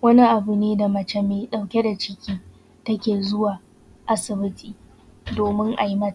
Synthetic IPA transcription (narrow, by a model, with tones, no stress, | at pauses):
wɐ˦ni˦ʔa˨bu˨neː˦da˨mɐ˨t͡ʃɛ˦meː˨ɗa˨wkʲe˦da˨t͡ʃɪ˦kʲiː˦ | tɐ˦kʲeː˨zʊ˦waː˨ | ʔa˦sɪ˨bɪ˦tʼiː˨ | doː˨mɪ˦ŋʔa̰˨ji˦mɐ˦ta˨